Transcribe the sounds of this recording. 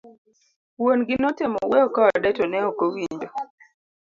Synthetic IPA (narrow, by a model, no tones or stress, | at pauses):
wonɡɪnɔtemɔwɛɔkaɔdɛtɔnɛɔkowiɲd͡ʒo